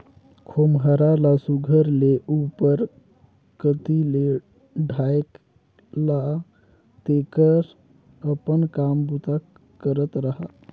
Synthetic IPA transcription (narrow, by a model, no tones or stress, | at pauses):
kʰomɦəɾalasuɡʱəɾleʔupəɾ | kət̪ile | ɖʱaek | la | t̪ekəɾ | əpənkambut̪a | kəɾət̪ɾəɦa